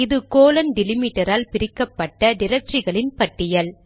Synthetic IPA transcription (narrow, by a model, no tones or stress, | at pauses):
ɪðɯkoːlɐnɖɪlɪmiʈːɐɾaːlpɪɾɪkːɐpːɐʈːɐnɪɾɐt͡ʃrɪɣɐɭɪnpɐʈːɪjɐl